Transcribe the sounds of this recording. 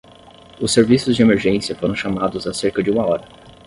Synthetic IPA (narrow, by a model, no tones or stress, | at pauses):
ʊsːeɾvisʊzd͡ʒɪemeɾʒẽsiɐfoɾɐ̃w̃ʃamad̪ʊzaseɾkɐd͡ʒɪũmɐɔɾɐ